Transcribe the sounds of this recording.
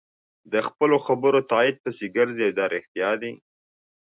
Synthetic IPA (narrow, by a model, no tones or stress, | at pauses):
d̪əxpəloxabəɾot̪ɑɪd̪̚pəseɡəɾziawd̪ɑɾɪxt̪jɑd̪i